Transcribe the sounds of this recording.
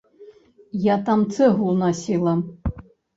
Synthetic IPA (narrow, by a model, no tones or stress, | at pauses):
jat̪amt̪sɨɣulˠnasʲilˠɐ